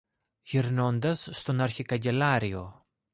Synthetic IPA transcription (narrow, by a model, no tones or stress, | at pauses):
ʝiɾno̞nd̪ɐsːt̪o̞nɐɾçikɐɲɟe̞lɐɾio̞